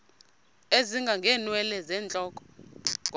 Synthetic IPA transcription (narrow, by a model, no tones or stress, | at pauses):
eziŋɡʱaŋɡʱɛːnwɛlɛzɛːnd͡ɮʱʼɔːkʼɔ̥